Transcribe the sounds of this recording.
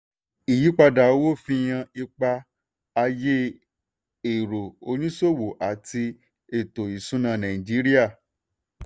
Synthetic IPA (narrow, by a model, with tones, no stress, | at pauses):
i˨ji˨˦k͡pa˧da˨o˦wo˦˨fĩ˧j̃ã˧i˧k͡pa˧ | a˧je˦ | e˨ɾo˨o˧nĩ˦so˦˨wo˨ʔa˨ti˧ | e˨to˨i˨sũ˨˦nã˦˨nã˨ĩ˨d͡ʒi˨˦ɾi˦a˦˨